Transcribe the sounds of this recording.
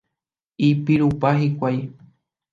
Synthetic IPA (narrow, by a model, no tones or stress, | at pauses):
ipiɾupaɦikʷaj